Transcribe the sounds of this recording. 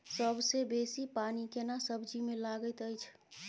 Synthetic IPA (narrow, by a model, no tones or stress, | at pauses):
səbʱsebesipanikenasəbʱd͡ʒimẽlaɡət̪əjt͡ʃʰ